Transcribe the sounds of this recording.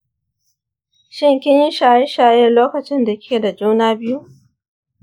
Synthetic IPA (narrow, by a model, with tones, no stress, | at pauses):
ʃɪ˦˨ŋkʲɪ˦ɲji˦ʃaː˨jɪ˦ʃaː˨jɛ˦˨rloː˦kɐ˨t͡ʃɪ˦nda˨kʲʰeː˨da˨d͡ʒuː˦naː˦bɪ˦ju˦